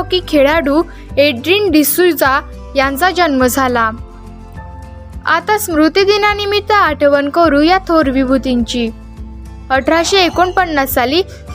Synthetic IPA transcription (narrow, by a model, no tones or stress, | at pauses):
okikʰeɽaɽu | eɖɾinɖisuld͡za | jãnt͡sad͡ʑənməd͡zʱala | a̰t̪asmɾut̪id̪inanimit̪əaʈʰəʋənkəɾujat̪ʰoɾʋibʱut̪iɲt͡ɕi | əʈʰɾaɕeekoɳpənːasali